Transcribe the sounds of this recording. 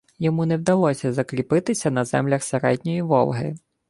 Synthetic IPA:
jɔmunɛwd̪ɐlˠɔsʲɐzɐklʲipɪt̪ɪsʲɐnɐzɛ̰mlʲɐxseɾɛdʲnʲɔjiʋɔ̰lˠɦɪ̰

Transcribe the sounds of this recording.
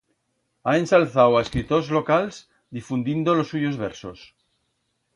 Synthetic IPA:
ae̞nsalθawaeskɾit̪ozlo̞kalz | d̪ifund̪ind̪olo̞sːuʝo̞zβeɾso̞s

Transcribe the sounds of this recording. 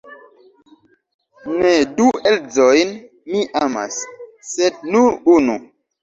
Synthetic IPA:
nedueld͡zojn | miʔama̰sː | ed̚nuɾunṵ

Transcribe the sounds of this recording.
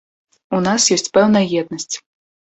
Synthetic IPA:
unasjɔsʲt͡sʲpɛwnɐjɐjɛd̪nɐsʲt͡sʲ

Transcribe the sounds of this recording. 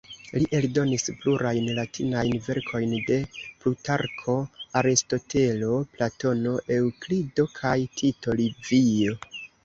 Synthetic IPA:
liʔe̞ldo̞nispluɾajnlatʰinajnve̞ɾkʰo̞jnde̞plutaɾkʰo̞aɾisto̞te̞lo̞plato̞no̞ʔe̞wklido̞kʰajtʰito̞livio̞

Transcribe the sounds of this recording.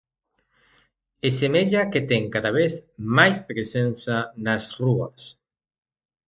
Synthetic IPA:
esemeʎaket̪ɛŋkaðaβ̞eθmajspɾesen̟θɐnasruɐ̰s

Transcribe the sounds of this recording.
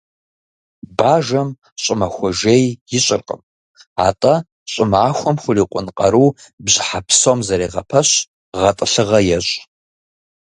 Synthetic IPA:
baːʒɐm | ɕʼɪmɐxʷɔʒejjɪɕʼɪrqʼə̰m | a̰ːtʼɐ | ɕʼɪmaːxʷɔmxʷʊriːqʷʼʊnqʼɐɾuːbʑħapʰsomzɐɾeːʁɐpʰɐɕ | ʁɐtʼɨɬɨʁɐjɛɕʼ

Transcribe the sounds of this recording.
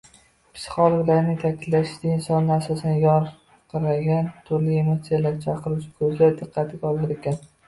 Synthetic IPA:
pʰɪ̥sχɒlˠʊlaɾnɪŋt̪ʰakʲʰɪd̪lḁt̪ɪɪnsɒnːɪasɒsɪnɪjɒɾ | qʰɨɾaɡʲant̪ʰʊɾlɪemoɾt̪sijalaɾt͡ʃʰaqɨɾʊt͡ʃʰɪ̥kʰɵzɪd̪ɨqʰːɑt̪ʰɪɡʲaɒlˠɪɾekʲʰan

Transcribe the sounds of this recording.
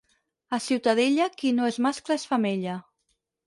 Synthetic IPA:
asiwt̪aðeʎakinoezmasklaesfameʎa

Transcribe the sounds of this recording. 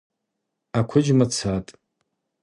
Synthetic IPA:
akʷʰʊd͡ʒmat͡sʰatʼ

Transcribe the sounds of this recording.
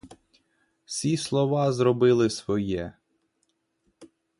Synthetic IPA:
wsʲislˠɔʋɑzɾɔbɪlˠɪsʋɔjɛ

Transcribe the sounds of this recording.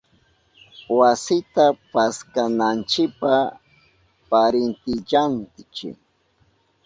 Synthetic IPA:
wasɪt̪apaskanant͡ʃɪpa | paɾɪnt̪ɪʎantɪt͡ʃɪ̰

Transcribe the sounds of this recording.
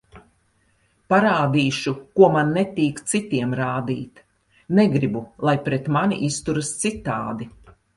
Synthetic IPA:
paɾaːd̪iːʃukuɔmanːɛt̪iːkt̪sit̪iɛmɾaːd̪ḭːt̪ | nɛɡɾibulˠajpɾɛt̪manḭʔist̪uɾɨst̪sit̪a̰ːd̪i

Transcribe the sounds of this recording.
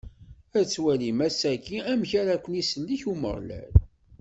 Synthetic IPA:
æt͡sːwælimæsækːiæmçæɾækʷːənisəlːiçumə̰ʁˤlæ̰l

